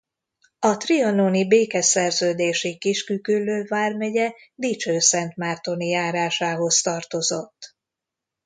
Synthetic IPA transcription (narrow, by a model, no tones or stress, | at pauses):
ɒt̪riononibeːkɛsɛrzøːd̪eːʃikiʃkykylːøːvaːrmɛɟɛ | d̪it͡ʃøːsɛnt̪maːrt̪o̞nijaːɾaːʃaːɦo̞st̪ɒrt̪o̞zo̞t̪ː